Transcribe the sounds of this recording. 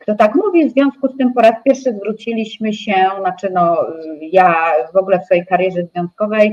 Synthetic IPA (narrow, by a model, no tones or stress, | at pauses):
kt̪ɔt̪akmuvʲivzvʲjɔ̃w̃skust̪ɘmpɔɾaspʲjɛɾfʂɘzvɾut͡ɕilʲiɕmɘɕɛnat͡ʂɘnɔjavɔɡulɛfsfɔjejkaɾjɛʐɛzvʲjɔ̃ñskɔvɛj